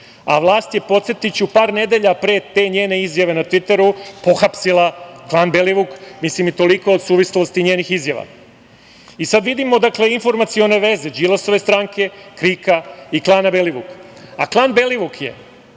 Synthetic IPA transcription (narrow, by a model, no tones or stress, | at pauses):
a̰ʋlˠaːst̪je̞po̞t̪set̪it͡ɕupaːɾne̞d̪e̞ʎapɾeːt̪e̞ːɲe̞ːne̞izjaʋe̞nat̪ʋit̪e̞ɾupo̞xapsilˠaklˠaːnbeliʋukmislimit̪o̞liko̞od̪suːʋislost̪iɲeːnixizjaʋa̰ | isad̪ʋid̪imo̞d̪akle̞info̞ɾmat̪sio̞ne̞ʋe̞ze̞d͡ʒilˠaso̞ʋe̞st̪ɾaːŋke̞kɾikaiklˠaːnabeliʋukaklˠanbe̞liʋukje̞̰